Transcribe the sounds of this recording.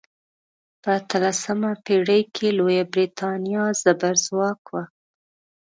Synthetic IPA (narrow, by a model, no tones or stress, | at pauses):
pəːt̪əlasəmapeɽəjkʰelojabɾit̪ʰɑnijɑzabaɾzwɑkwa